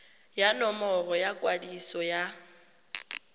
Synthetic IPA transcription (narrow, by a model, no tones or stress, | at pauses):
janɔmɔrɔjakʼwadisɔja